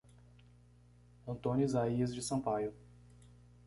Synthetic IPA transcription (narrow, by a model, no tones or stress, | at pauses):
õnt̪õnizaiɐzd͡ʒɪsɐ̃pajʊ